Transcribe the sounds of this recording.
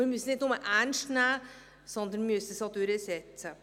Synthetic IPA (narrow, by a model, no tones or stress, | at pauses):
mɪɾmʉst̪nɪt̪nʊməʔænʂtnæː | sɔnd̪ənmʏsəsɑd̪øɾəsɛt̪sə